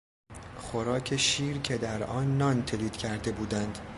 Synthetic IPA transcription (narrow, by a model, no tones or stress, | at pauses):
χo̞ɾɒːcʰe̞ʃiːɾcʰe̞d̪æɾɒːnːɒːnt̪ʰe̞liːd̪̥cʰæɾd̪e̞buːd̪ænd̪̥